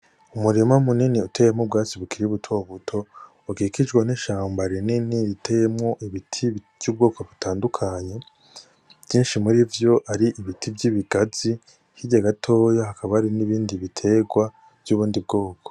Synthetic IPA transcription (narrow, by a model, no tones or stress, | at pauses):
umuɾemamuniniutʰe̞ːjemŋob̚ɡaːt͡siβukiɾiβutʰo̞βutʰo̞ | ukiːkid͡ʒɡwaneʃaːmbaɾininiɾitʰejemŋo̞ʔiβitʰi̥ | j̥uːb̚ɡo̞ːkʰoβutʰaːndukʰaɲe̞ | v̥jiːnʃimuɾivjo̞ʔaɾiʔiβitʰibɟiβiɡazi | hiɟaɡatʰo̞ːjahakʰaβaːɾiniβiːndiβitʰe̞ɡwa | vjuːβuːndib̚ɡo̞ːkʰo̥